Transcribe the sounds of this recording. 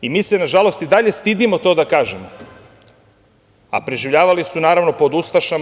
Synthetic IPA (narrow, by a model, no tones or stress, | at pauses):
imiːsenaʒalo̞st̪id̪aʎe̞st̪id̪imo̞t̪o̞ːd̪akaːʒemo | a̰pɾeʒiʋʎaːʋalisunaːɾaʋno̞po̞d̪ust̪aʃam